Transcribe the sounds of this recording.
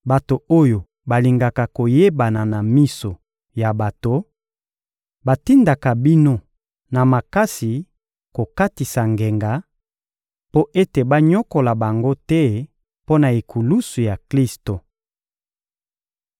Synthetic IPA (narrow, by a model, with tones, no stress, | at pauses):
ba˨to˨o˦jo˨ | ba˨li˨ŋɡa˨ka˨ko˨je˦ba˨na˨na˨mi˦so˨ | ja˨ba˨to˨ | ba˨ti˦nda˨ka˨bi˦no˦ | na˨ma˨ka˦si˨ | ko˨ka˦ti˨sa˨ŋɡe˨ŋɡa˨˦ | po˦ʔe˦te˨ba˦ɲɔ˦ko˨la˨ba˨ŋɡo˦tɛ˦ | po˦na˨e˨kʰu˨lu˦su˨ja˨kli˦sto˨